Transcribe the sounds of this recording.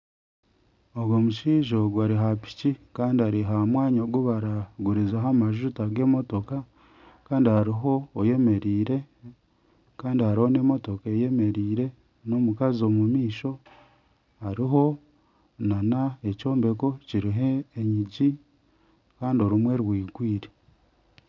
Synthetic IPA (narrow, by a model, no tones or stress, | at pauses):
oɡomuʃiːʒoɡwaɾiɦapi̥cikaːndiaɾiɦamwaːɲoɡuβaɾaɡuɾizaɦamaʒutaɡe̞ːmo̞to̞ka | kaːndihaɾiɦo̞ːje̞me̞ɾiːɾe̞ | kaːndihaɾiho̞ne̞ːmo̞to̞kae̞je̞me̞ɾiːɾe̞ | no̞mukazo̞mumiːʃo̞ | haɾiɦo̞ | nanaeco̞ːmbe̞ko̞ciɾiɦeːɲiɟi | kaːndio̞ɾumwe̞ɾwiːɡwiːɾe